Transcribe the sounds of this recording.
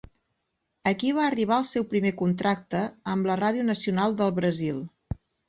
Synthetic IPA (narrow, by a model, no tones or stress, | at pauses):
əkiβ̞aəriβ̞aəlˠsɛwpɾimekunt̪ɾak̚t̪əəmləraðiunəsiunalˠd̪əlˠβɾəzilˠ